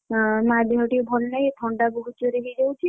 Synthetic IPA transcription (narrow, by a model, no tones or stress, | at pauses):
mad̪eɦɔʈibʱɔlnajt̪ʰɔɳɖabɔɦut͡ʃɔɾeɦid͡ʒawt͡ʃʰi